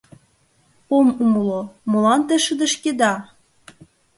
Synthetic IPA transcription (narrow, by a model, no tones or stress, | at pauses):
omumɤlomolɑnt̪ĕʃə̆d̪ə̆ʃked̪ɑ